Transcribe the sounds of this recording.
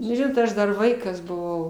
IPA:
nʊ ˈʒʲɪnoːt ˈɐʃ dɐr ˈʋɐɪkɐs bʊˈʋɐʊ

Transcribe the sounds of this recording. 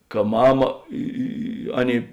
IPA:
kɐ ˈmɑːmɐ ˈɪ ɪ ɪ ˈɑːˌnʲeːɪ

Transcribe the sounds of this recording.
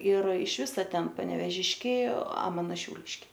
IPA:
ɪr ɪʃ ˈʋʲɪsɐ ˈtʲɛn pɐnʲɛʋʲeːˈʒʲɪʃʲkʲɛɪ ɐ ˈmɑːnoː ʃʲɛʊˈlʲɪʃʲkʲɛɪ

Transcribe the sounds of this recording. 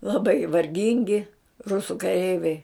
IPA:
lˠɐˈbɐɪ ʋɐrʲˈɡʲɪŋʲɡʲɪ ˈrʊsʊ kɐˈrʲɛɪʋʲɛɪ

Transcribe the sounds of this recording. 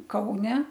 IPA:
ˈkɐʊnʲɛ

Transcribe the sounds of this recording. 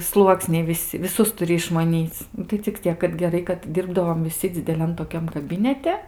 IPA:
ˈslˠuɔksʲnʲɛɪ ʋʲɪˈsʲɪ ʋʲɪˈsʊs tʊˈrʲɪ ɪʃmɐˈnʲiːt͡s tɐɪ t͡sʲɪk ˈt͡sʲiɛk kɐt ɡʲɛˈrɐɪ kɐt ˈdʲɪrbdɐʋoːm ʋʲɪˈsʲɪ d͡zʲɪdʲɛˈlʲɛn toːˈkʲɛm kɐˈbʲɪnʲɛtʲɛ

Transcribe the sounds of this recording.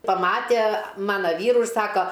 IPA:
pɐˈmɑːtʲiɛ ˈmɑːnɐ ˈʋʲiːrʊ ɪr ˈsɑːkoː

